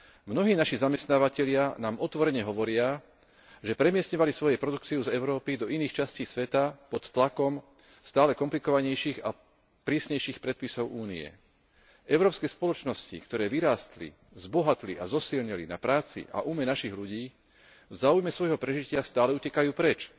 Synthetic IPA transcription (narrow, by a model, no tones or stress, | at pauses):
mnɔɦiːnaʃizamɛst̪naːʋacɛʎɪanaːmɔt̪ʋɔɾɛɲɛɦɔʋɔɾɪa | ʒɛpɾɛmɪɛsɲɔʋalisʋɔjɛpɾɔd̪ukt͡siuzɛʊɾɔːpid̪ɔiniːxt͡ʃasciːsʋɛt̪apɔt̪ːlakɔm | st̪aːlɛkɔmplikɔʋaɲɛjʃiːɣa̰ | pɾiːsɲɛjʃiːxpɾɛt̪̚pisɔʊʔuːniɛ̰ | ʔɛʊɾɔːpskɛjspɔlɔt͡ʃnɔscḭkt̪ɔɾɛːʋiɾaːst̪lḭ | zbɔɦat̪liʔazɔsilɲilḭnapɾaːt͡sḭʔa̰ʔumɛnaʃiɣluɟiː | vzaːujmɛsʋɔjɦɔpɾɛʒicɪast̪aːlɛucɛkajuːpɾɛt͡ʃ